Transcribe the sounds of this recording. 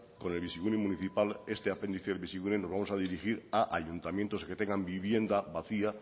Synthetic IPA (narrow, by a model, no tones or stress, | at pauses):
ko̞ne̞lβisiɣunemũniθipale̞st̪eapend̪iθeelβisiɣunenozβamo̞saðiɾixiɾaʔaʎunt̪amjent̪o̞ske̞t̪eŋɡambiβje̞nd̪aβaθia